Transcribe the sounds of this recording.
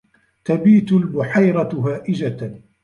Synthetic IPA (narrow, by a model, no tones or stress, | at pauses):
t̪abiːt̪ʊlbʊħajɾˤɑhaːʔɪd͡ʒa